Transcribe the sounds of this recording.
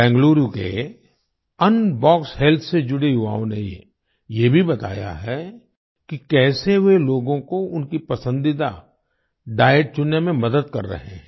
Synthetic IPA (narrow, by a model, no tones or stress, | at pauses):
bɛ̃ːŋɡluːɾukḛ | ɐnbɔːkshɛːlt̪ʰsed͡ʒʊɽeɦʊʋa̰ːõne | jebʱibɐt̪a̰ːja̰ɦɛ | kikɛːseɦʋeloːɡõkoʊnkipɐsə̃nd̪ɪd̪a | ɖaːəʈ̚t͡ʃʊnːemẽmɐd̪əd̪̚kɐ̰ɾːɐ̰ɦẽɛ̃